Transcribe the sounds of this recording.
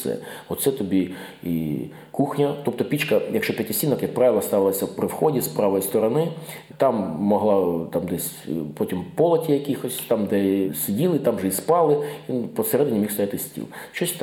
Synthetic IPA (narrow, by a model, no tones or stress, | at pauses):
sɛ̰ɔt̪sɛt̪ɔbʲiḭ | kuxnʲɐt̪ɔp̚t̪ɔpʲit͡ʃkɐjɐkʃt͡ʃɔpʲjɐtʲɐsʲinɔkjɐk̚pɾɑʋʲɪlˠɐst̪ɑʋɪlˠɐsʲɐwpɾɪwxɔdʲispɾɑʋɔjist̪ɔɾɐnɪ | t̪ɑmːɔɦlˠɑt̪ɑmd̪ɛsʲ | pɔtʲimpɔlˠɐtʲijɐkʲixɔsʲt̪ɑmd̪ɛsɪdʲilˠɪt̪ɑmʐɛispɑlˠɪʋʲinpɔsɛɾɛd̪ɪnʲimʲiwst̪ɐjat̪ɪsʲtʲḭlˠʃt͡ʃɔsʲt̪